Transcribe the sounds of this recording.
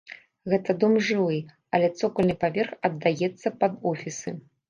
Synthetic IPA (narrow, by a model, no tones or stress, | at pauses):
ɣɛt̪ɐd̪ɔmʐɨvɨ | ɐlʲɛt̪sɔkɐlʲnɨpavʲɛrxɐd̪ːajɛt̪sːɐpɐd̪ɔfʲisɨ̰